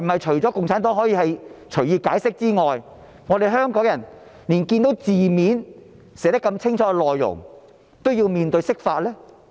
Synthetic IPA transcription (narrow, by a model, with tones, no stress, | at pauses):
m̩˩hɐ˨jt͡ʃʰɵ˨˩ɥt͡sɔː˨˥kʊ˨ŋt͡sʰaː˨˥nt̪ɔː˨˥ŋɦɔː˨˥jiː˧hɐ˨jt͡ʃʰɵ˨˩jiː˧kaː˨˥jsɪ˥k̚t͡siː˥ŋɔː˨j | ŋɔː˨˧d̪e˨jɦœː˥ŋkɔː˨˥ŋjɐ˨˩n | liː˨˩nkiː˧nt̪o˨˥wt͡siː˨miː˨˥n | sɛː˨˩t̪ɐ˥kːɐ˧mt͡sʰɪ˥ŋt͡ʃʰɔː˨˥kɛ˧lɔː˨jːʊ̰˨˩ŋ | t̪o˥wjiː˧wmiː˨˧nt̪ɵ˧ɥjsɪ˥k̚faː˧t̚lɛː˥